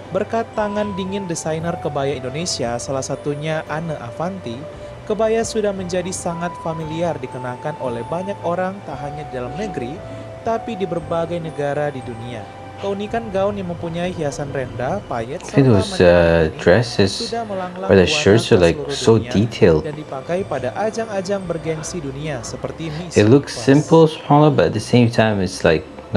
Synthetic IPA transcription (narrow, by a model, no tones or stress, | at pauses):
bərkat̪ːaŋandiŋɪndisajnərkəbajaindonesiasalahsat̪uɲaʔanəʔafant̪i | kəbajasudahməɲd͡ʒadisaŋat̪familiardikənakanʔolɛhbaɲakoɾaŋt̪aɦaɲadidalamnəɡɾi | t̪apidibərbaɡajnəɡaɾadidunia | kəunikanɡaʊnjaŋməmpuɲaiɦiasanrɛndapajɛtaθɪ̃ŋkɪt̚wɔsʌdɹɛsɪsudahməlaŋlaaðaʃʊɹsolaɪsoitʰeɪlˠddandipakajpadaʔad͡ʒaŋad͡ʒaŋbərɡɛŋsiduniasəpərt̪iniɪtˡlʊksɪ̃mpəl̩ˠspʰɔləbʌtt̪̚d̪ðəsẽɪ̃mtʰãɪ̃mɪtslaɪk̚ | n